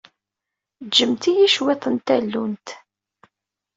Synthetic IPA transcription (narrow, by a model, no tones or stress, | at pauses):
d͡ʒːəmt̪ijiʃwet̪ˤənt̪ælːunt̪